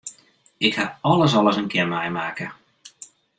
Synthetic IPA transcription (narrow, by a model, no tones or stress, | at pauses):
ɪkhaɔləs̬ɔlˠəsənkɪərmajmaːkə